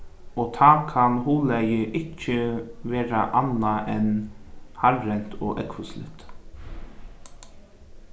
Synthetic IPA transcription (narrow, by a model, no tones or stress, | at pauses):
oːt̪ʰɑːkʰɑnhuːlæjəʔɪcːəʋeːɾɑ̰ʔɑnɑʔɛnhɑɾɾɛnt̪ʰoːʔɛkʋʉslɪ̰t̪